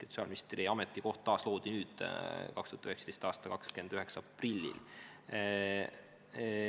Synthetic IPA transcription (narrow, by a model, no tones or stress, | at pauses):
e̥sɑ̰ːlmist̪riɑmet̪ːˑiko̞ht̪t̪ɑːslo̞ːd̪̥inyːd̪̥kɑkst̪uɑt̪yhekst̪ejst̪ɑːst̪ɑkɑkskend̪yɦe̞ksɑɑprilʲːḭl